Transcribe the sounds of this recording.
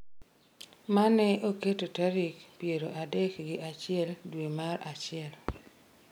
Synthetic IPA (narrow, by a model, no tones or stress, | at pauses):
manɛoketotaɾikpjeɾoʔadɛkɡɪʔat͡ʃɪɛldwemaɾat͡ʃɪɛl